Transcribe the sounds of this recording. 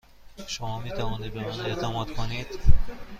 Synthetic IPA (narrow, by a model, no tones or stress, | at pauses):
ʃomɒːmiːt̪ʰævɒːnid̪̚bemæne̞t̪ʰæmɒːd̪̥kʰonid̪̥